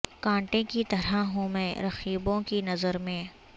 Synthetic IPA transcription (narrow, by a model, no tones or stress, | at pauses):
kãːɳʈẽkit̪ɐɾaɦũmɛ̃ːɾɐxiːbõkinɐzəɾmẽː